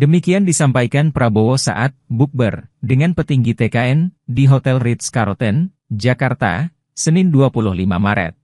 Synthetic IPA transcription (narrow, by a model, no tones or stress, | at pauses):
dəmikiandisampaikanpɾaboosa̰ʔat̪̚buk̚bə̰rdəŋanpət̪iŋɡit̪ekaɛndiɦot̪ɛlrit̪skaɾot̪ɛn | d͡ʒakart̪a̰ | sənɪnduapulʊhlima̰maɾɛ̰t̪̚